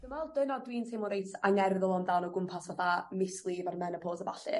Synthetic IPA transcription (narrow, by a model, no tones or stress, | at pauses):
ɡ̥əmɛlˠdɪnɔdwiːntʰemʊɾejtʰaŋɛrðʊlˠɔmdanɔɡʊmpʰasvɛθamɪslˠivarmɛnəpʰoːsəbaɬɨ̰